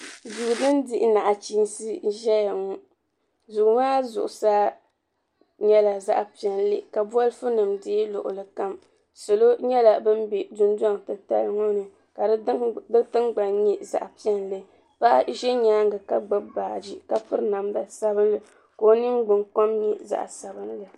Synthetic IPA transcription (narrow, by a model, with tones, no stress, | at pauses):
zu˨dɨ˦ndi˦ʔna˨ʔa˨t͡ʃi˦nsɨ˦ʒɛ˦ja˨ŋɔ˦ | zu˨ɡmaː˦zʊ̰˨ʔʊ˨sa˦ | ɲɛ˦la˨za̰˦ʔpi˨ɛ˨nlɨ˦˨ka˨bɔ˦lfu˦nɨ˨mdiː˦lʊ̰˨ʔʊ̰˨lɨ˨ka˦m | so˨lo˦ɲɛ˦la˨bɨ˦n˦bi˨dʊ˦n˦du˦a˦˨ŋ˨tɨ˨ta̰˦lŋo˦nɨ˨ | ka˨˦dɨ˦tɨ˦ŋɡ͡ba˨nɲi˦za̰˨ʔpi˦ɛ˦nlɨ˦ | pa˦ʔʒɛ˦ɲaː˦ŋ˦ɡɨ˨ka˨ɡ͡bɨ˦baː˨d͡ʒi˦ka˦pɨ˦ɾna˨mda˨sa˦bɨ˦n˦lɨ˨ | ko˦nɨ˦ŋɡ͡bɨ˨ŋko˦mɲɛ˦za̰˨ʔsa˨bɨ˦nlɨ˨